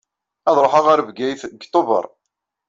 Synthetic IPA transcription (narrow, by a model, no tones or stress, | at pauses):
ɑðˤɾˤoħaʁaɾvɡæjθɡt̪ˤːovə̰ɾˤ